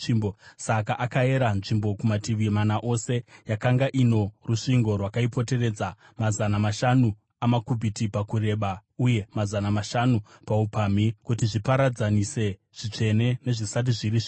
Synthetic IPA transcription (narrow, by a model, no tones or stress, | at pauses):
imbosakaʔakae̞ɾanʐimbo̞kumatiʋimanaʔo̞se̞jakaŋɡaʔino̞ruʂiŋɡo̞rwakaipo̞te̞re̞d͡za | mazanamaʃanu | amakubʱitipakuɾe̞ɓauje̞mazanamaʃanupaupaːmikut̬iʐipaɾad͡zanise̞ | ʐ̥it͡ʂe̞ne̞ne̞ʐisat̬iʐiɾiʐ